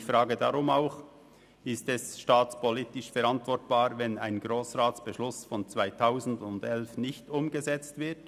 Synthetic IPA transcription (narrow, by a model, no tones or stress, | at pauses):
fɾaːɡədaʁʊmaʊx | ɪstɛsʃtaːt͡spʰɔlitɪʃfɛɾantv̥ɔɾtb̥aːɾvɛnaɪnɡɾoːsʁaːtsb̥əʃlʊsfɔnt͡svaɪtʰaʊzn̩dʊndɛlfnɪçtʊmɡəzɛt͡stvɪt